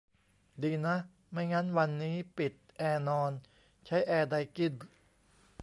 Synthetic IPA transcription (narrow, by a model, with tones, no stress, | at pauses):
diː˧na˦˥ʔ | ma˥˩jŋa˦˥nwa˧nːiː˦˥pi˨˩t̪̚ʔɛː˧nɔː˧n | t͡ɕʰa˦˥jʔɛː˧da˧jki˥˩n